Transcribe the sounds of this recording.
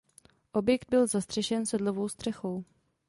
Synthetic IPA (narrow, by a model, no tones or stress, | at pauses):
ʔo̞bjɛkd̪̚bɪlzast̪r̥ɛʃɛnsɛdlovo̞wst̪r̥ɛxo̞w